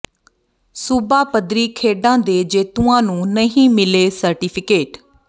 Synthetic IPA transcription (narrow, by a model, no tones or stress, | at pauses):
sʊbaːpəd̪ɾiːkʰeːɖãːd̪eːd͡ʒeːt̪uãːnũːnəɦĩːmɪleːsəɾʈiːpʰɪkeːʈ